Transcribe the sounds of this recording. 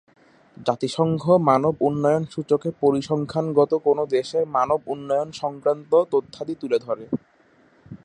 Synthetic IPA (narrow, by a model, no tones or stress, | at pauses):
d͡ʑat̪iʃɔŋɡʱomanobunːɔjonʃut͡ɕokepoɾiʃɔŋkʰanɡɔt̪okonod̪eʃeɾmanobunːɔjonʃɔŋkɾant̪ot̪ot̪ʰːad̪it̪uled̪ʱɔɾe